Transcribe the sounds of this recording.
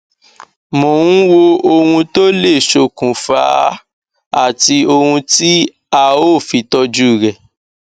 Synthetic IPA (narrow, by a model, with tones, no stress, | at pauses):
mõ˨ũ˦wo˧o˧hũ˧to˦le˦˨ʃo˧˨kũ˨fa̰˧ | a˦˨ti˧o˧hũ˧ti˦ | a˦˨o˦˨fi˧˦tɔ˧d͡ʒu˦˨ɾɛ˨